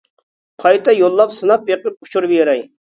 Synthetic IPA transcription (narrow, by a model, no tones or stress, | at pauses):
qʰɑjt̪ʰɑjolˠːɑpsɨnɑp̚beqɪp̚ʰu̥t͡ʃʰuɾbjeɾɛj